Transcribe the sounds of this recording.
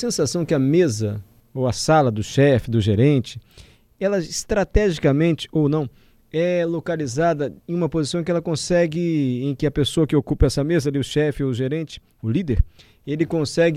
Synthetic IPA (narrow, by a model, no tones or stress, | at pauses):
sẽsasɐ̃w̃kɪɐmezɐ | owɐsalɐd̪ʊʃɛfɪd̪ʊʒeɾẽnt͡ʃɪ̥ | ɛlɐɪst̪ɾat̪ɛʒikɐmẽnt͡ʃɪ̥ownɐ̃w̃ | ɛlokalizad̪ɐẽj̃ũmɐpozisɐ̃w̃kɪɛlɐkõsɛɡɪẽj̃kɪɐpesoɐkɪokupɐɛsɐmezɐaliʊʃɛfɪoʊʒeɾẽnt͡ʃɪ̥ | ʊlid̪eɾ | elɪkõsɛɡɪ